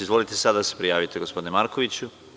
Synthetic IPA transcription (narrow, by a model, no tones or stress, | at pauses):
izʋo̞lit̪esad̪ad̪asepɾijaːʋit̪eɡo̞spo̞d̪inemaɾkoʋit͡ɕu